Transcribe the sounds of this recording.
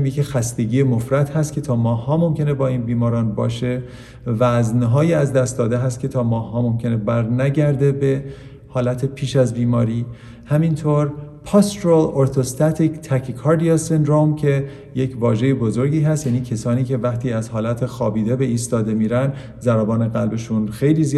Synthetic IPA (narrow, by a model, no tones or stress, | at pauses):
mjecixæst̪eɟiːjemofɾæt̪hæst̪kʰʲe̞t̪ʰɒːmɒːhːɒːmo̞mcʰe̞ne̞bɒːiːnbiːmɒːɾɒːnbɒ̰ːʃe̞ | væznɦɒːjiæzd̪æst̪̚d̪ɒːd̪eɦæst̪̚cʰe̞t̪ʰɒːmɒːhːɒːmo̞mcʰe̞nebæɾnæɟæɾd̪e̞be | hɒːlæt̪ʰepʰiːʃæzbiːmɒːɾiː | hæmint̪ʰoːɾpʰɒːst̪oɾoloɾt̪ʰost̪æt̪ʰikt̪ʰækʰkʰɒːɾd̪ijɑsend̪ɾomcʰe̞ | jecʰvɒːʒe̞jebozo̞ɾɟiːɦæst̪jæːniːcʰesɒːniːcʰe̞væχt̪ʰiːæzɦɒːlæt̪ʰexɒːbiːd̪e̞be̞iːst̪ɒːd̪e̞miːɾæn | zæɾæbɒːne̞ɣælbe̞ʃunxe̞jliːzi